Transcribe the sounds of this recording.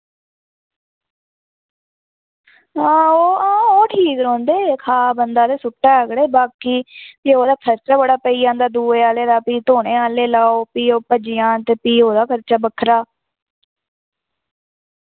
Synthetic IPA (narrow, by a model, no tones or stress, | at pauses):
ãːoːãːoːʈʰiːkɾõːnd̪eːkʰaːbənd̪aːd̪eːsʊʈːaːəɡɽeːbaːkiːpiːoːd̪aːkʰəɾt͡ʃaːbəɽaːpəiːãːnd̪aːd̪uːeːaːleːd̪aːpiːt̪oːɽẽːaːleːlaːoːpiːoːpəd͡ʒɪjãːt̪eːpiːoːd̪aːkʰəɾt͡ʃaːbəkʰɾaː